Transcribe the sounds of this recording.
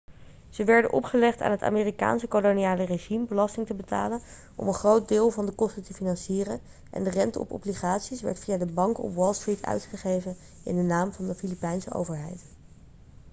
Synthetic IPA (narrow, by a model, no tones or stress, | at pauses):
z̥əʋɛɹdə̰nʔɔ̰pχəlɛχta̰ːnɦəta̰ːmɪːrika̰ːnsəkoloniaːləreʒimbəlɑstɪŋtəbəta̰ːlən | ʔɔ̰mənχrowt̚dɪːlˠvɑndəkɔstətəfinɑnsiːrən | ʔɛ̰ndərɛntəɔ̰pɔ̰bliχaːtsisʋɛ̰ɹtfijadəbɑŋkɔ̰pwɔlˠstritʰœ̰ɥtχəχejvən | ɪ̰ndənaːmvɑndəfilipɛjnsə̰ʔo̰wvəɹɦɛjt